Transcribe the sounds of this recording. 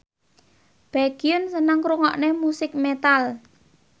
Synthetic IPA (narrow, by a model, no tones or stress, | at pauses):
b̥aɡ̥iʊnsənəŋkɾuŋɔʔnemusɪk̚met̪al